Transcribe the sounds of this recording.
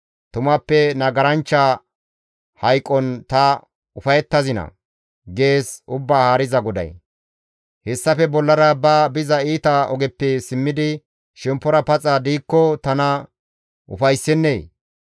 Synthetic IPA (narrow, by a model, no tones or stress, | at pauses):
t̪ʊmɐpːɛnɐɡɐɾɐnt͡ʃːɐ | hɐjkʼːɔnt̪ɐ | ʊfɐjɛt̪ːɐzɪnɐ̰ | ɡe̞ːsʊbːaːhaːɾɪzɐɡɔd̪ɐ̰j | hɛsːɐfɛbɔlːɐɾɐbɐːbɪzɐiːt̪ɐɔɡɛpːɛsɪmːɪd̪ɪ | ʃɛmpːɔɾɐpɐt͡sʼad̪iːkːɔt̪ɐnɐ | ʔʊ̰fɐjsːɛnːeː